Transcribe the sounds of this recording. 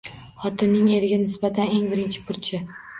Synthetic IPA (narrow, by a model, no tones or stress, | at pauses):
χɒt̪ʰɪnːɪŋe̞ɾɪɡʲanɪsbat̪ʰane̞ŋbɪɾɪnt͡ʃʰɪ̥pʰʊɾt͡ʃʰɪ